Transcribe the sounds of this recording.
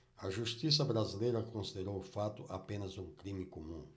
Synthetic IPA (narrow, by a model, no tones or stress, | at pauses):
ɐʒust̪is̬ɐbɾazilejɾɐkõsid̪eɾowʊfat̪ʊʔapẽnɐzũŋkɾimɪkomũ